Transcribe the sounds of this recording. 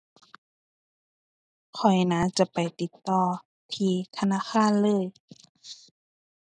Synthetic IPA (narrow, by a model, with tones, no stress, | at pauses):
kʰɔ˨˩jnaː˧˥˦t͡ɕa˧˩pa˨˩jt̪i˨˧˦t̪ːɔː˧˩ | t̪ʰiː˧˩t̪ʰa˧naː˧˥˨xʰaː˧˥˨nlɤː˧˥˨j